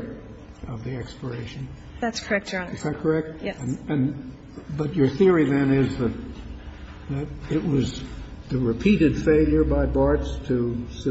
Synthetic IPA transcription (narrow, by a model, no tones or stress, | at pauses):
ʌvðiɛkspə˞eɪʃɨ̃n | ðætskʰə˞ɛk̚tɨzðæt̚kʰə˞ɛk̚t̚ɨ̃n | bʌt͡ʃə˞θɪɹiðɨ̃nɪzðɨt̪̚ | ðɨɾɪʔ̚wʌzðɨɹɨpʰiɾɨd̥feɪlˠjə˞baɪbɑɹtstʰɨsɨ